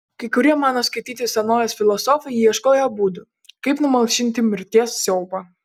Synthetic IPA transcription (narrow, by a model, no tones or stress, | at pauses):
kɐɪkʊɾʲiɛmɑːnoːskɐɪt̪ʲiːt̪ʲɪsʲɛnoːjɛsfʲɪlˠɔsɔfɐɪiɛʃkoːjɛbuːd̪ʊ | kɐɪpnʊmɐlˠʃʲɪnʲt̪ʲɪmʲɪɾʲt̪ʲiɛsːʲɛʊpɐ